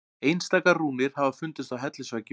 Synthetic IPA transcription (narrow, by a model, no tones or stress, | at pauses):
ejnst̪aːjkarruːnɪɾ̥havafʏnt̪ɪst̪awɦɛt̪lɪsvacɪ